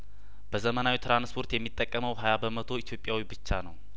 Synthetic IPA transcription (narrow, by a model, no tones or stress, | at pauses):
b̥əzəmənawit̪ʰɾanspʰo̞ɾt̪jɛmːit̪ʼːəkʼːəməwɦajabəmət̪ʰo̞it̪ʰjo̞pʼjawibɨt͡ʃːanəw